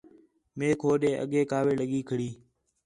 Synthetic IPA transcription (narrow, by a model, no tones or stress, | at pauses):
meːkʰoːɗẽːʔə̰ɠeːkaːʋeːləɠiːkʰəɽiː